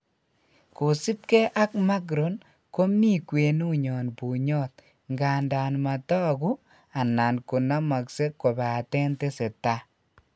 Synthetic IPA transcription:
ko˨si˦p̚kɛ˦ʔa˦kma˦ɡ̬ɾo˨n | ko˦mi˦kwe˨nu˦ɲɔ˨npu˨ɲɔ˦t̪̚ | ŋɡa˨nda˨nma˨tɔ˦ɡu˦ | a˨na˨nku˨na˦ma˨kse˦ko˨ba˨a˨tɛ˦nte˦se˨ta˦

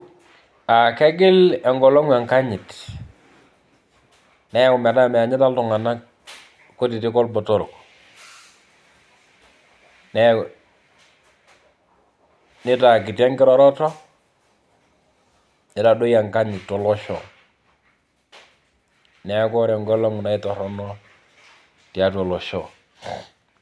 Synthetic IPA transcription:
a˨kɛ˦ɡɪ˦lɛ˨ŋɡɔ˨lɔ˦ŋa˨ŋka˦ɲi˨t | nɛ˦kʊ˨mɛ˨ta˦˨mɛ˨a˨ɲɪ˦ta˦ltu˨ŋa˨na˦k | ko˦ti˨ti˦kɔ˦lbɔ˨to˦ɾo˨k | nɛ˦ | nɪ˦ta˨kɪ˨ta˦ŋɡɪ˦ɾɔ˦ɾɔ˦tɔ˦ | nɪ˦ta˨do˦ja˨ŋka˦ɲi˨tɔ˨lɔ˦ʃɔ˨ | nɛ˨˦kɔ˦ɾɛ˨ŋɡɔ˦lɔ˦ŋu˨na˨ɪ˦tɔ˨ɾɔ˦nɔ˦ | ti˨a˦tɔ˨lɔ˨ʃɔ˦˨

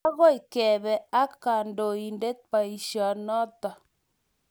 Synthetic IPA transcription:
a˦ɣɔ˦i˨kɛ˨βɛ˨a˦ka˨ndo˨i˨nde˦t̚pa˨i˨ʃɔ˨nɔ˦ta˨

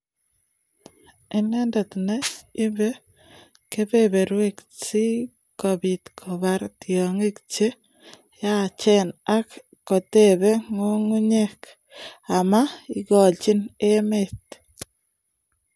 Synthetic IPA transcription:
i˦ne˦nda˨t̪ne˦i˦be˦ | ke˦βeβe˨ɾwe˦ksi˦ | ko˨βit̪kʰo˨βa˦ɾt̪jo˨ŋi˦kt͡ʃe˦ | ja˦t͡ʃe˦na˦kː | o˨t̪e˦βe˦ŋo˦ŋu˦ɲek | a˨ma˦i˦ɣɔ˨lt͡ʃi˦ne˦met̪

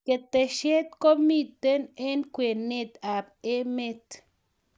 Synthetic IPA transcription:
ke˨t̪e˨ʃe˦t̪ko˦mi˦˨t̪e˦ne˦nkwe˨ne˦t̪a˨be˦me˦t̪

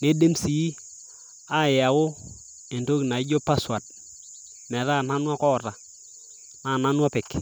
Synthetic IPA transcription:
ne˦de˦msi˨˦i˦ | a˦˨ja˨wo˦ | e˨nto˦kna˨ɪ˦ɟo˦pa˦swa˨t̚ | mɛ˨ɾa˦˨na˦nwa˦kɔ˦ɾa˨ | na˨na˦nwa˦pɪ˨k

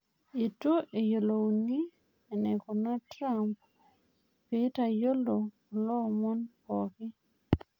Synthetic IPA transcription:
e˨to˦ʔe˨jo˨lo˨ni˦ | e˨ne˨ko˨na˦tɾa˦mp̚ | pe˦ta˨jo˦lo˨ | ɔ˨lɔ˦˨mɔ˦npɔ˨kɪ˦

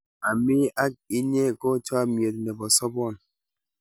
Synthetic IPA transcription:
a˨mi˦a˦k̚i˦ɲe˦kɔ˦t͡ʃɔ˦a˨mje˨t̚nɛ˨bɔ˨sɔ˦bɔ˦˨n

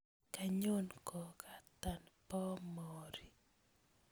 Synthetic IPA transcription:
ka˨ɲo˦nkɔ˨ka˨t̪a˨npɔ˦mɔɾi˨

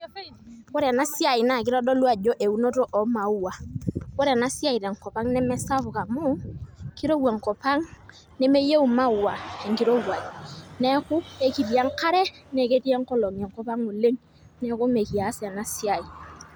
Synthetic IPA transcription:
ko˦ɾe˨a˨na˦si˦a˨i˨na˨ki˦ɾɔ˦dɔ˦lu˦a˨d͡ʒo˦ʔe˨u˦no˦to˦ʔɔ˨ma˨u˦wa˨ko˦ɾe˨na˦si˦a˦i˨ɾe˨ŋkɔ˨pa˦ŋnɛ˦mɛ˦sa˦vu˨ka˨mu˦ki˦ɾo˦wa˨ŋ˨kɔ˨pa˦ŋ | nɛ˦me˦je˦u˨ma˦u˨wa˨e˨ŋ˨ki˦ɾo˦wa˨nɛ˦kʊ˦e˦˨ki˨ti˨a˦ŋka˦ɾɛ˦ne˨ke˦ti˦a˦ŋkɔ˦lɔ˨ŋ˨ɛ˨ŋkɔ˦pa˦ŋo˨le˦ŋ | nɛ˦ku˦me˨ki˨a˨˦sa˨na˨˦si˦a˨i˨

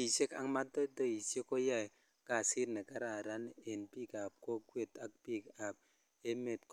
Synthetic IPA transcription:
i˨se˦ka̰˦ŋma˦to˦to˦i˨se˦ko˦ja˦˨ | ka˦˨si˦tne˨ka˦ɾa˨ɾa˦ne˨npi˦ka˨p̚ko˦kwe˨ta˦k̚pi˦ka˨p̚ | e˦me˨tk

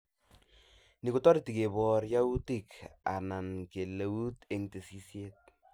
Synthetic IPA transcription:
ni˨ku˦tɔ˦ɾi˨ti˨ke˨bɔrja˦u˦ti˨ka̰˨na˨nke˨le˨wu˦te˦ŋte˨si˦sje˦t̚

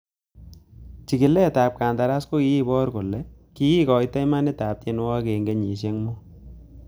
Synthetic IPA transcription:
t͡ʃi˨kɪ˨lɛ˦˨ta˨p̚kaː˨nda˨ɾa˦sko˦ki˦i˦bɔ˦ɾkʊ˨lɛ˨ki˦i˦kɔ˨ɪ˦tɛ˦jma˦nɛ˦ta˨p̚te˦nwa˦ke˨ŋɡe˦ɲi˨ʃ̬e˦ŋmo˦

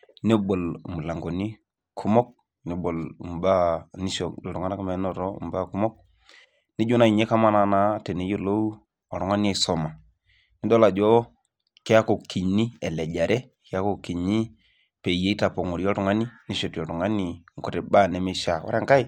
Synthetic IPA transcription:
ne˦bo˨lmu˨la˨ŋɡo˨ni˦ | kʰu˦mɔ˦k̚ | ne˨˦bo˨lu˨m˨ba˦ni˦ʃo˨ɔ˨ɾŋa˦na˦ka˦me˨˦nɔ˨ɾɔ˦ṵ˨mba˦ku˦mɔ˦k̚ | ni˦d͡ʒu˦na˨i˨ɲe˦ka˦ma˦na˨na˦te˨ne˨˦jo˦lo˦w | ɔ˨ɾɔ˨ŋa˦ni˦ɛ˨sɔ˨ma˨ | ni˦dɔ˦la˨d͡ʒɔ˦ | ke˦ja˦ko˨ki˨ɲni˦ɛ˨lɛ˨ɟa˨ɾʔɛ˦ | ke˦ja˦ko˦˨ki˨ɲi˦ | pe˨je˦i˦ta˨po˨ŋo˨ɾɔ˦ɾu˨ŋa˦ni˦ni˦ʃo˨to˨tu˨ŋa˦ni˨ŋ˨ko˨te˨ba˦nɛ˨me˦ʃa˨wa̰˦ɾa˦ŋka˦i˦

